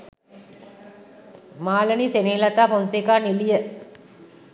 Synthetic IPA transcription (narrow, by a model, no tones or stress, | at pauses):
maːlənisenelat̪aːponsekaːnilijə